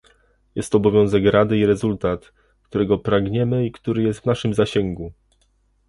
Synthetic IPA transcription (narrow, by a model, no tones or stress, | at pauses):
jɛst̪ɔbɔvʲjɔ̃w̃zɛkɾad̪ɘiɾɛzult̪at̪ | kt̪uɾɛɡɔpɾaɡɲɛmɘikt̪uɾɘjɛst̪vnaʂɘmzaɕɛŋɡu